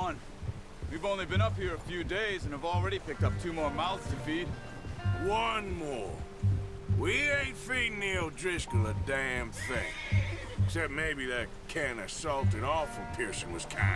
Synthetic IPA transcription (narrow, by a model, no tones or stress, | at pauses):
ʌ̃n | wivõʊ̃nlibɨ̃ɾ̃ʌphiɹɨfjʉdeɪzɨ̃nɨvl̩ˠɹɛɾipɪk̚tʌp̚tʰʉmɔɹmaɪlˠz̥tʰɨfid̥ | wʌ̃nmɔɹ | wiẽɪfidⁿnildɹɪskəədæ̃mθɪ̃ŋ | ksɛp̚meɪbiðɨt̚kʰæ̃nɨsɔlˠtɨ̃ɾɔfl̩ˠpʰɪɹsɨ̃nwʌz̥kʰãɪ̃